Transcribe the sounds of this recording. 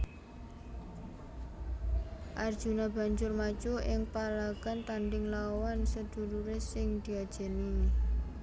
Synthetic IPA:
ʔard̥ʒ̥unab̥a̤ɲd͡ʒʊrmḁt͡ʃoʔɪŋpalaɡ̥a̤nt̪aɳɖɪŋlawansəd̪̥ṳɾuɾesɪŋd̪̥i̤ad̥ʒ̥ɛ̤ni

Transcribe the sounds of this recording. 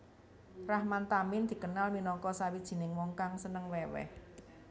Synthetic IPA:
rahmant̪amɪnd̪̥i̤kənalminɔŋkɔsawid̥ʒ̥i̤nɪŋwɔŋkaŋsənəŋwɛwɛ̰h

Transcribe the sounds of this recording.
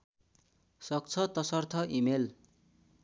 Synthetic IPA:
sʌk̚t͡sʰʌt̪ʌsʌrt̪ʰʌʔimel

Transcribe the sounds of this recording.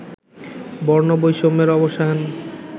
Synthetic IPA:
bɔɾnobojʃomeɾɔboʃaɦn

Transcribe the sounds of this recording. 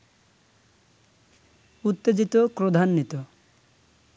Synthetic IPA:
ut̪ːed͡ʑit̪opɾod̪ʱanːit̪o

